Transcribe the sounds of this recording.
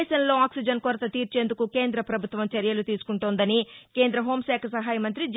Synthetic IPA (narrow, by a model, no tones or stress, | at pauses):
ʃɐnlo̞ːaːksid͡ʒɐnkoɾɐt̪ɐt̪iːɾt͡ʃe̞ːnd̪ukuke̞ːnd̪ɾɐpɾɐbʱut̪ʋɐmt͡ʃɐɾjɐlut̪iːsu̥kuɳʈuːnd̪ɐnike̞ːnd̪ɾɐɦo̞ːmsɛːkʰɐsɐɦaːjɐmɐnt̪ɾid͡ʒ